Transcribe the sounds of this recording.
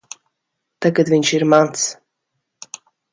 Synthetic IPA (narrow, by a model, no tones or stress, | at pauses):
t̪akːad̪vɪnʲʃiɾmans